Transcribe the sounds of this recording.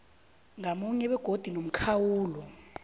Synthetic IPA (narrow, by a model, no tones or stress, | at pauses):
ŋamuɲɛɓɛɡ̥ʱod̥ʱinom̩kʰawuːlɔ